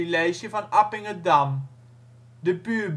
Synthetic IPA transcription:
ilɛjsəfɐnɐpɪŋədɐm | dəpyb

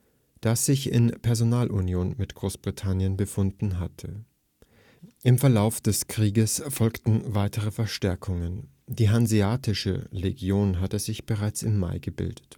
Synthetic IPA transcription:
d̥asz̥ɪçɪ̰npʰɛɐzonaːlʔunjoːnmɪtɡ̥ʁoːsb̥ʁitʰanjənbəfʊndn̩ɦatʰə | ʔɪmfɛɐlaʊfd̥ɛskʁ̥iːɡəsfɔlktn̩vaɪtʰəʁ̞əfɛɐʃtɛɐkʰʊŋən | d̥iːɦanziaːtʰɪʃə̰leɡjoːnɦatəzɪçb̥əʁaɪt͡sɪmːa̰ɪɡəbɪ̰ldət

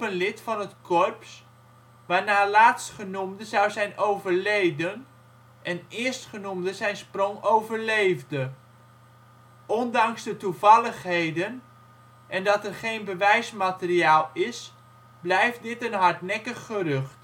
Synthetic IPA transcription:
pənlɪtfɑnətkʰɔrps | ʋaːɹnaːlaːtstχənumdəzʌwzɛjnowvəɹlejdən | ʔɛnɪːɹstχənumdəzɛjnsprɔŋowvəɹlejvdə | ɔndɑŋzdətuvɑlˠəχɦejdən | ʔɛndɑtɛrχejnbəʋɛjsmaːtəriaːlˠɪs | blɛjft̚dɪtənɦɑɹtnɛkəχːərɵχt

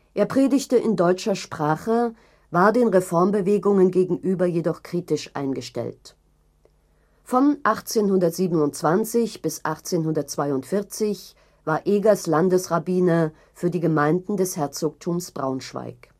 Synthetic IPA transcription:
ʔeːɐpʁ̥eːdɪçtəʔɪndɔʏt͡ʃɐʃpʁ̥aːχə | vaːɐdeːnʁefɔɐmbəveːɡʊŋənɡeːɡŋ̩ʔyːbɐjedɔχkʁ̥iːtɪʃʔa̰ɪnɡəʃtɛ̰lt | fɔnʔaχt͡seːnhʊndɐtz̥iːbənʊntt͡sv̥ant͡sɪçb̥ɪsʔaχt͡seːnhʊndɐt̚t͡sv̥aɪʊntfɪɐt͡sɪç | vaːɐʔeːɡɐslandəsʁabiːnə | fyːɐdiːɡəmaɪndn̩dɛshɛɐt͡sok̚tʰuːmsb̥ʁaʊnʃv̥a̰ɪk

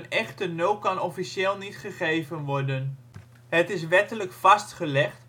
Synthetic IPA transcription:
nɛχtənowkɑnɔfiʃeːlˠnitχəχejvənʋɔrdən | ɦətɪs̬ʋɛtələkfɑstχəlɛχt

